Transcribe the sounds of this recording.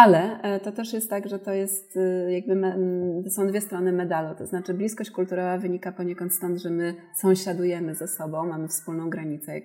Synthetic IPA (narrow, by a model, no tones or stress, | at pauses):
alɛt̪ɔt̪ɛʂjɛst̪ːaɡʐɛt̪ɔjɛst̪jaɡ̚bɘmɛsɔ̃w̃d̪vʲɛst̪ɾɔnɘmɛd̪alut̪ɔznat͡ʂɘblʲiskɔɕt͡ɕkult̪uɾɔvavɘɲikapɔɲekɔnt̪st̪ɔnd̪ʐɛmɘ | sɔ̃w̃ɕad̪ujɛmɘzasɔbɔ̃w̃mamɘfspulnɔ̃w̃ɡɾaɲit̪sɛa̰